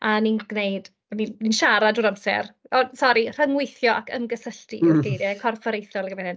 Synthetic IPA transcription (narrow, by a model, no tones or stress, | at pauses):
aninɡnejd̥ | ninninʃaɾaduɾamsɛ̰r | ɔsɔɾir̥əŋwejθjɔʔakʰə̰nɡəsəɬtiʊɡejɾjɛkʰɔrfɔɾejθjɔlˠəɡəmɛnɪn